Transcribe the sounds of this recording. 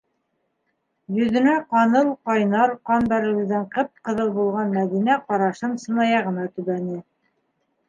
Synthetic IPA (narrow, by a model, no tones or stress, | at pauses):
jɵ̆ðɘ̆næqɑnɤlˠqɑjnɑɾqɑnbæɾɘ̆wɘ̆zd̪æɴqɤp̚qɤ̆ðɤlˠbulˠʁɑnmæðinæqɑɾɑʃɤnsɤ̆nɑjɑʁɤ̆nɑt̪ʉβænɘ